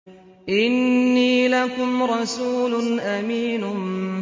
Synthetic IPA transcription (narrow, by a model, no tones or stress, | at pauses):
ʔɪnːiːlakʊmɾˤɑsuːlʊnʔamiːnʊ